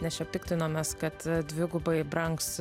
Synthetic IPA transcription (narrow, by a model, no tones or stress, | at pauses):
nʲɛʃʲɛppʲɪkt̪ʲɪnoːmʲeːskɐt̪d̪ʲʋʲɪɡʊbɐɪbɾɐŋks